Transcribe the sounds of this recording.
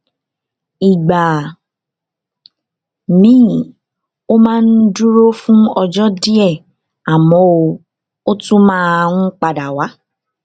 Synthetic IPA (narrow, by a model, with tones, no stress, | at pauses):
i˨ɡ͡ba˨ | nĩ˨˦˨ | o˦mãː˦n̩˦du˦ɾo˦fũ˦ɔ˧d͡ʒɔ˦di˦ɛ˦˨ | a˨mɔ̃˨˦o˧ | o˦tũ˦mãː˦˧ŋ̩˦k͡pa˨da˨wa˨˦